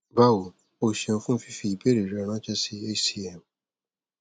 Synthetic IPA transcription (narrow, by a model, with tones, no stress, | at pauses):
ba˦wo˨ | o˧ʃẽ˧õ˧fũ˦fi˦fi˧i˨be˦ɾe˨ɾɔ˧ɾ̃ã˦t͡ʃɛ˦si˦e˦si˦ɛ˨m